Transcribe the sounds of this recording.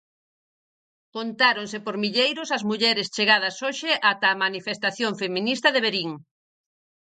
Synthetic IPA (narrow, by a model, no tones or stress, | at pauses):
kont̪aɾoŋsepoɾmiʎejɾʊsɐzmuʎɛɾɪst͡ʃeɣað̞ɐsoʃɪʔat̪ɐːmanifest̪aθjoŋfemĩnist̪ɐðeβeɾiŋ